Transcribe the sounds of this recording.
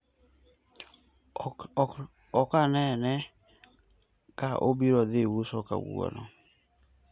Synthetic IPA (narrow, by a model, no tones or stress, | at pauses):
ɔkanɛnɛ | kaʔobiɾɔðewusɔka̰wṵɔ̰nɔ̰